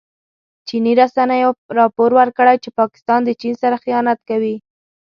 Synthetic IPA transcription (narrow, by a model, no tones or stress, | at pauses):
t͡ʃiniɾasanəjoɾɑpoɾwəɾkəɽajt͡ʃepɑkɪ̥st̪ɑnd̪ət͡ʃinsaɾaxijɑnat̪kawi